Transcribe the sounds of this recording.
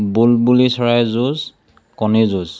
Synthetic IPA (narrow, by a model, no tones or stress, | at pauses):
bulbulisɔɹajzuz | kɔnizuz